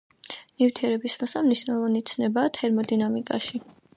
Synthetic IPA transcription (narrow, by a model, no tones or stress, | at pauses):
nift̪ʰiɛɾɛbismsamniʃnɛlˠɔvanit̪sʰnɛbaːt̪ʰɛɾmɔd̪inamikʼa̰ʃi